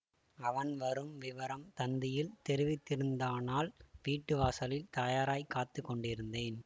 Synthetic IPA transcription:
ɐʋɐnʋɐɾɯmʋɪʋɐɾɐmt̪ɐnd̪ɪjɪlt̪ɛɾɪʋɪt̪ːɪɾɯnd̪aːnaːlʋiːʈːɯʋaːsɐlɪlt̪ɐjaːɾaːjkːaːt̪ːɯkːɔɳɖɪɾɯnd̪eːn

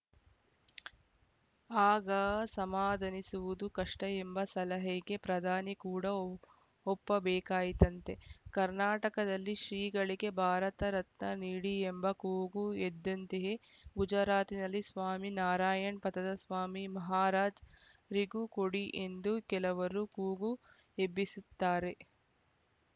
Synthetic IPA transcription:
aːɡɐsɐmaːd̪ʱɐnisuʋud̪ukɐʂʈɐembɐsɐlɐɦɛɡe̞pɾɐd̪ʱaːnikuːɽɐ | ɔpːɐbɛːkaːjit̪ɐnt̪e̞kɐɾnaːʈɐkɐd̪ɐlːiʃɾiːɡɐɭiɡe̞bʱaːɾɐt̪ɐɾɐt̪nɐniːɽiembɐkuːɡued̪ːɐnt̪eje | ɡud͡ʒɐɾaːt̪inɐlːisʋaːminaːɾaːjɐɳpɐt̪ɐd̪ɐsʋaːmimɐɦaːɾaːd͡ʒ | ɾiɡukoɽiʔend̪ukɛlɐʋɐɾukuːɡu | ebisut̪ːaːɾe̞

